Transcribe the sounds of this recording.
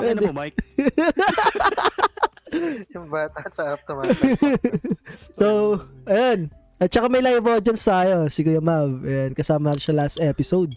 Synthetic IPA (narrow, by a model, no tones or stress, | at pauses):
pwɛɛ | jʊŋbaːt̪ɐsɐʔɐp̪̚ɐma | sowʔɐjon | ʔɐt̪̚t͡ʃɐkamɐjlajvod͡ʒɐnst̪aːjosikojomavʔɛnkɐsaːmɐnaːt̪ɪnʃɐlast̪ʔɛpɪsowd̪̚